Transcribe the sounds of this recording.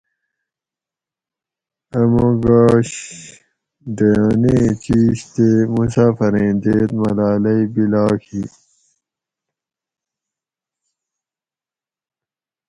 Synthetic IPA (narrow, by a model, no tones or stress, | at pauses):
ɐmoɡaːɕ | d̪ejonẽt͡ɕiːɕt̪emusaːfɐɾẽːnd̪eːt̪mɐlaːlɐibilaːkʰi